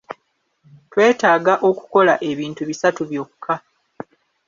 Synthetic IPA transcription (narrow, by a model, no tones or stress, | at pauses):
twe̞ːtaːɡaʔo̞ku̥ko̞laʔe̞βiːntuβisatuβjo̞ːkukʰa